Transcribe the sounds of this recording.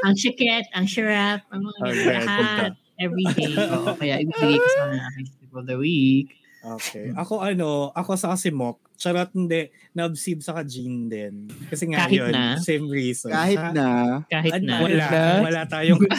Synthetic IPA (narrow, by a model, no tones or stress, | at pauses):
ʔɐŋt͡ʃɛkɛt̪̚ɐŋʃɐɹap̚ɐŋɐɐɡɛhat̪̚ | ʔɛvɾid̪eːʔkɐjaʔɪbiːbɪɡɐjkɐsɛnɐɐmest̪ɪfɔd̪ɐwik | ʔoːkɛʔɐko̞ʔɐnoʔɐkosɐkɐsɪmok̚t͡ʃɐɾat̪̚hɪnd̪ɛʔ | nɐʔɐbsib̚sɐkad͡ʒind̪ɛnkɐsɛŋajhjonasẽjmɹiːsɔknaːhɪt̪̚nɐkaːɦɪtɐnwɐlaawɐlat̪aːjoŋ